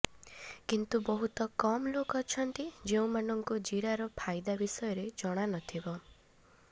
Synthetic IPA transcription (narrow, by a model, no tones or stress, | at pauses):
kint̪ubɔɦut̪ɔkɔmɔlokɔt͡ʃʰɔnt̪id͡ʒeũmanɔŋkud͡ʒiɽaɾɔpʰajd̪abisɔjɔɾed͡ʒɔɽ̃anɔt̪ʰibɔ